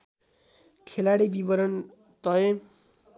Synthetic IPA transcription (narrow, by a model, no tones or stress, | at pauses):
kʰelaɽibibʌɾʌn | t̪ʌje